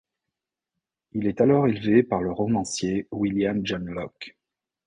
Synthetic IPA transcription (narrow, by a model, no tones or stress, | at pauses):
ilɛt̪alɔʁelvepaʁləʁɔmɑ̃sjewiljamd͡ʒanlɔk